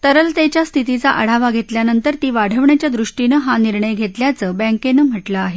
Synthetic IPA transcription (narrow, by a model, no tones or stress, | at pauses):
t̪əɾəlt̪et͡ɕjast̪ʰit̪it͡saʔəɽ̤aʋaɡʱet̪ljanənt̪əɾt̪iːʋaɽ̤ʱəʋɳjat͡ɕjad̪ɾuʂʈinəɦaniɾɳəjɡʱet̪ljat͡səːbɛ̃ŋkenəm̤əʈlaːɦe